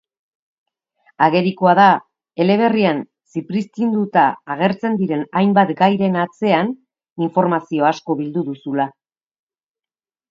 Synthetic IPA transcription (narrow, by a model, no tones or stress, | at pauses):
aɣe̞ɾikoaða | e̞le̞β̞e̞rian | sipɾist̪ind̪ut̪aːɣ̞e̞ɾt͡se̞nd̪iɾe̞najmbat̪ɡajɾe̞nat͡se̞an | iɱfo̞ɾmasio̞asko̞βild̪uðusula